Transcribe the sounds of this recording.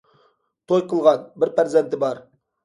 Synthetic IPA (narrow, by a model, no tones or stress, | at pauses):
t̪ʰojqʰəlˠʁɑnbɪɾpʰæɾzent̪ɪbɑɾ